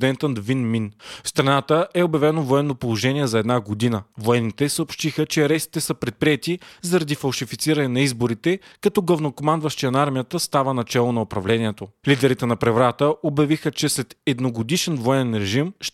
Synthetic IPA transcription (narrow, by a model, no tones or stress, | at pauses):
d̪ɛnt̪ənd̪vinminfst̪ɾɐnat̪əʔɛobjɐvɛnovoɛnːopolˠoʒɛniɛzɐɛd̪naɡod̪inəvoɛnːit̪ɛsəopʃt̪ixət͡ʃɛɐɾɛsi̥t̪ɛsəpɾɛt̪̚pɾiɛt̪izɐɾɐd̪ifɐlˠʃifit̪siɾɐnɛnɐizboɾit̪ɛkɐt̪ɔɡlˠɐvnokomand̪vɐʃt̪ijɐnaɾmijət̪əst̪avənɐt͡ʃɛlˠonɐopɾɐvlɛniɛt̪olid̪ɛɾit̪ɛnɐpɾɛvɾat̪əobjɐvixət͡ʃɛslɛt̪ɛd̪noɡod̪iʃɛnvoɛnɛnɾɛʒimʃ